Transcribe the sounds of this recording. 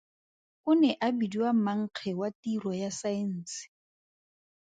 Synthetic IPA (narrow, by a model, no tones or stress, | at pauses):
kʊnɛʔabidiwamaŋ̩q͡χʰɛwatirɔjasaɪn̩ːsɪ̥